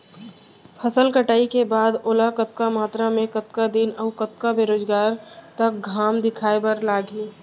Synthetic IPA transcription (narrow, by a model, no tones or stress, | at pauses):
pʰəsəlkəʈaːikebaːd̪oːlakət̪̚kamaːt̪ɾamẽkət̪kad̪inəʊkət̪̚kabeːɾoːd͡ʒɡaːɾt̪ɐk̚ɡʱaːmd̪ɪkʰaːepɐɾlaːɡi